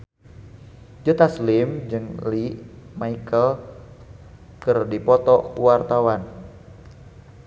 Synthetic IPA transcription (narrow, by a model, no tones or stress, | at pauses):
d͡ʒət̪aslimd͡ʒɨŋliʔmaikəl | kɨrdipɔt̪ɔkuwart̪awan